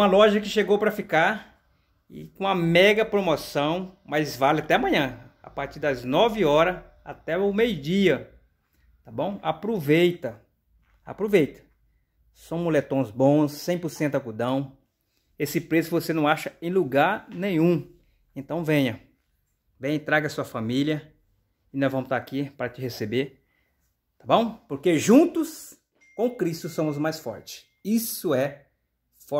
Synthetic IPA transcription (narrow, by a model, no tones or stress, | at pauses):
ũɐlɔʒɐkɪʃeɡowpɾɐfikaɾ | ɪ̰kõɐmɛɡɐpɾomosɐ̃w̃majzvalɪat̪ɛamɐ̃ɲɐ̃a̰paɾt͡ʃiɾd̪ɐznɔvɪɔɾɐ | a̰t̪ɛʊmejʊd͡ʒiɐ | t̪abõw̃apɾuvejt̪ɐ | a̰pɾovejt̪ɐ̥ | sɐ̃w̃mulet̪õzbõsːẽj̃pʊɾsẽnt̪ʊakud̪ɐ̃w̃ | esɪpɾesʊvosenɐ̃w̃aʃɐẽj̃luɡaɾnẽɲ̃ũ | ẽnt̪ɐ̃w̃vẽɲɐ | vẽɲ̃ɐt̪ɾaɡɐsuɐfamiljɐ | ɪnɐ̃w̃vɐ̃mʊt̪aakipaɾɐt͡ʃɪɦesebeɾ | t̪abõw̃poɾkeʒũnt̪ʊs | kõkɾist̪ʊsõmʊzmajsfɔ̰ɾt͡ʃɪ̥ | isʊɛ | fɔ